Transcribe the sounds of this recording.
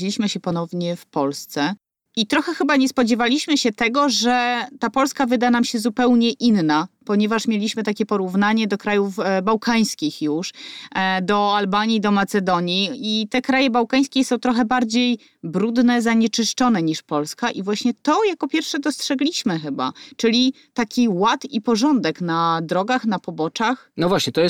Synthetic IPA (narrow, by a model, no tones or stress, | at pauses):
elʲiɕmɘɕɛpɔnɔvɲɛfpɔlst̪sɛ | ʔit̪ɾɔxɛxɘbaɲɛspɔd͡ʑɛvalʲiɕmɘɕɛt̪ɛɡɔʐɛt̪apɔlskavɘd̪anamɕɛzupɛwɲɛʔinːapɔɲɛvaʂmʲjelʲiɕmɘt̪akʲɛpɔɾuvnaɲɛd̪ɔkɾajufbawkaj̃skʲixjuʂ | d̪ɔalbaɲid̪ɔmat̪sɛd̪ɔɲiit̪ɛkɾajɛbawkaj̃skʲɛsɔ̃w̃t̪ɾɔxɛbaɾd͡ʑej | bɾud̪nɛzaɲɛt͡ʂɘʂt͡ʂɔnɛɲiʂpɔlskaʔivwaɕɲɛt̪ɔjakɔpʲjɛɾfʂɛd̪ɔstʂɛɡlʲiɕmɘxɘba̰t͡ʂɘlʲi | t̪akʲiwat̪ipɔʐɔnd̪ɛknad̪ɾɔɡaxnapɔbɔt͡ʂax | nɔvwaɕɲɛt̪ɔjɛ